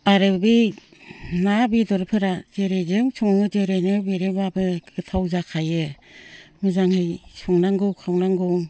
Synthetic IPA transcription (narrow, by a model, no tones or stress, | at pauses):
aɾɯbi | nabidɔɾpʰɯɾazeɾezɯŋsʰɔŋŋɯzeɾenɯbeɾebabɯɡɯtʰawzakʰajɯ | mɯzaŋhɯjsɔŋnaŋɡɯkʰawnaŋɡɔŋ